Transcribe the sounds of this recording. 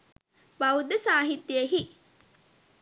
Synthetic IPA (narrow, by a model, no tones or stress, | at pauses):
bɐud̪ːəsaːɦit̪ːieɦi